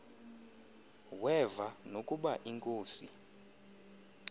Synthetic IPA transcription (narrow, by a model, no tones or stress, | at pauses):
wɛvanokʼuɓaʔiŋkʼoːsi